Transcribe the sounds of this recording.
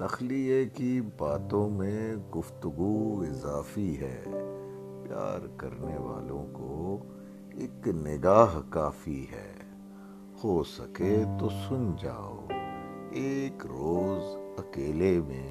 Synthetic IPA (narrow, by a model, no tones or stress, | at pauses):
t̪ɐxliekibaːt̪õmẽɡʊft̪ʊɡuɪzaːfiɦɛ̰ː | pja̰ːɾkɐ̰ɾneʋa̰ːlõko | eknɪɡaːɦkaːfiɦɛ̰ː | hosɐ̰ket̪osʊnd͡ʒa̰ːo̰ːeːkɾoːzɐkeːlemẽ